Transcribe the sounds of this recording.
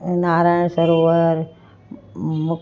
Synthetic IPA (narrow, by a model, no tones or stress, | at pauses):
naːɾaːɪɳ̃səɾoʋəɾ | mʊk